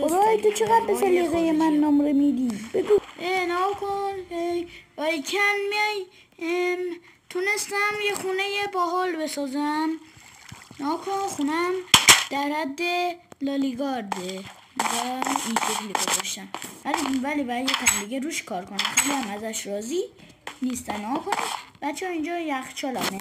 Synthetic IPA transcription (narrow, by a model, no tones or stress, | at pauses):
oɾɒːjet̪ot͡ʃʰeɣæd̪̚beseleɣejemænːɔmɾemid̪iːbeɡueneɡɒkʰonejbæjecʰænmiɒj | t̪ʰunest̪æmjexunejebæːɦɒːlbesɒːzæm | neɡɒkʰoxunæmd̪̥æɾæd̪ːelɒːliɡɒɾd̪e | ind͡ʒɔint̪ʰekʰliɡozɒʃt̪æmvælivælibæjek̪ʰæmd̪iɡeɾuːʃkʰɒːɾkʰonæmxeliæmæzæʃɾɒːzi | nist̪æmnːeɡɒkʰonib̥æt̪t͡ʃʰːeɒind͡ʒɒjæxt͡ʃʰɒlɒ̰me